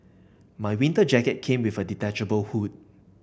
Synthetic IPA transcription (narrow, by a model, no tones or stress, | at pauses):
majwĩntəd͡ʒɛkət̚kʰẽmwivəditɛt͡ʃəbəlhut̚